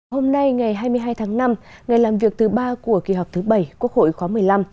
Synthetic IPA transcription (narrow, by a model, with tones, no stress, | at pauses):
ho˧mna˧jŋa˨˩jɦaː˧jmɨ˧əɦaː˧jt̪ʰaː˨˦ŋna˧m | ŋa˨˩jlaː˨˩mvi˨˩ək̚t̪ʰɨ˨˩ɓaː˧ku˧˩əki˨˧˩ɦɔ˨˩wk͡p̚t̪ʰːɓə˧˩jku˦˥ək̚ho̰˧˨jxwaː˨˦mɨ˨˩əjla˧m